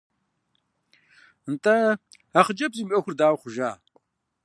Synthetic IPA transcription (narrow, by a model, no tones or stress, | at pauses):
ntʼɐ | aχəd͡ʒɐbziːmɐxʷʊrdaːwχʷʊʒaː